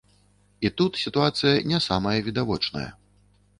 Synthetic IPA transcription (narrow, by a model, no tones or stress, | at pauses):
it̪ut̪sʲit̪uat̪sɨjɐnʲɛsamɐjɐvʲid̪avɔt͡ʂnɐ̰jɐ̰